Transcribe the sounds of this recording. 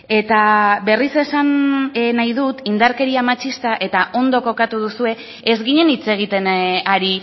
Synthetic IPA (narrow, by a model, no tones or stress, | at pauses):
e̞t̪abe̞rise̞sannajðut̪ind̪aɾke̞ɾiamat͡ʃist̪aʔe̞t̪aʔo̞nd̪o̞ko̞kat̪uð̞usue̞ː | zɣiɲe̞nit͡se̞ɣ̞it̪e̞naɾi